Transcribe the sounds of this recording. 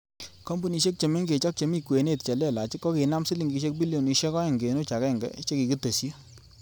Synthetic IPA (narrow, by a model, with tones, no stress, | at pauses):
kɔ˦mbu˨ni˧ʃe˦k̚t͡ʃe˨me˦ŋɡe˨t͡ʃɔ˦k̚t͡ʃe˨mi˦kwe˨ne˦˨t̚t͡ʃe˨lɛ˦˨la˨t͡ʃi˦kːɔ˦ke˨na˦msi˦li˨ŋɡi˧ʃ̬e˦k̚bi˦ljo˨ni˨ʃe˦kɔ˦ɛ˨ŋɡe˨˦no˦t͡ʃa˨kɛ˦˨ŋɡɛ̰˦t͡ʃe˦ki˨ki˦te˨sja˦